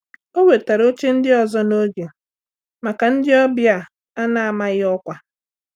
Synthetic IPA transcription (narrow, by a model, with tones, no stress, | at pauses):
o˦we˨ta˨ɾo˦t͡ʃe˦n̩˦dɪ˦ɔ˨zɔ˦no˦d͡ʒe˨ | ma˨ka˨n̩˦dɪ˦ɔ˦bja˨ | a˦na˨a˨ma˦ɣɪ˦ɔ˦kʷa˨